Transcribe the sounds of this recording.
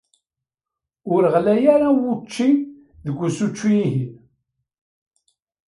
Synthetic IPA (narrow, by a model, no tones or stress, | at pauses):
ʊɾəʁlæjaɾawut͡ʃːi | ðəɡʷːusut͡ʃːijiɦin